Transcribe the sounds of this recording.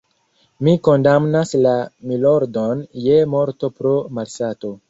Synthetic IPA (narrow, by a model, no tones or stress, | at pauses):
miko̞ndamnaslamilo̞ɾdo̞nje̞mo̞ɾto̞pɾomalsato̞